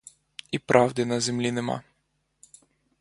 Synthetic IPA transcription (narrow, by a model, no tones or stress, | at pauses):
ipɾʔɑwd̪ʲɪnɐzemlʲinemɑ̰